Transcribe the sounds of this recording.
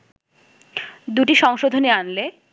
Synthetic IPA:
d̪uʈiʃɔŋʃod̪ʱoneanle

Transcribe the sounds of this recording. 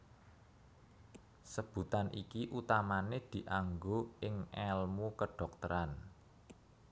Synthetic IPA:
səb̥ṳt̪anʔḭkiʔut̪amaned̪̥i̤ʔaŋɡoʔɪŋɛlmukəɖ̥ɔ̤k̚t̪əɾan

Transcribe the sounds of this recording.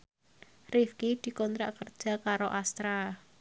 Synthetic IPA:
rifkid̪̥i̤kɔnt̪ɾaʔkərd̥ʒ̥a̤kaɾoʔast̪ɾa

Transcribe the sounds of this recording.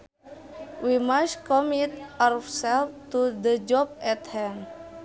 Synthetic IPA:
wimaskɔmit̪asɛlft̪ud̪əd͡ʒɔp̚ɛt̪hɛ̃n

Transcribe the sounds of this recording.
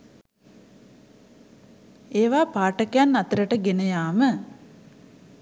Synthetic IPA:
eːʋaːpaːʈəkejanːat̪əɾəʈəɡenəjaːmə

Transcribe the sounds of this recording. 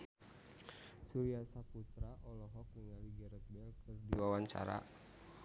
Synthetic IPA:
suɾiasaput̪ɾaʔɔlɔɦɔk̚nəŋaliɡɛɾək̪̚bɛlkʰɨrdiwawaɲt͡ʃa̰ɾa̰

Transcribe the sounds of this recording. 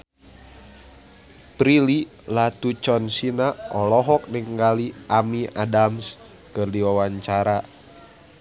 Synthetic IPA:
pɾili | lat̪ut͡ʃɔnsinaɔlɔɦɔk̚niŋɡaliʔamiadams | kɨrdiwawaɲt͡ʃaɾa

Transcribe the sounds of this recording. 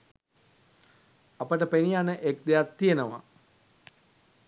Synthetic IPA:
apəʈəpenijanəʔekd̪ejat̪ːijenəʋa̰

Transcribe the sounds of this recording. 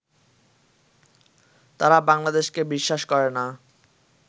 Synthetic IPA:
t̪aɾabaŋlad̪eʃkebiʃːaʃkɔɾena

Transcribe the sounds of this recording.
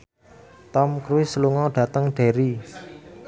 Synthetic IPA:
t̪ɔmkɾuwɪsəluŋɔɖ̥ä̤t̪əŋɖ̥e̤ɾi

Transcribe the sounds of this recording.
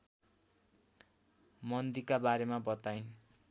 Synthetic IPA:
mʌnd̪ikabaɾemabʌt̪ajn

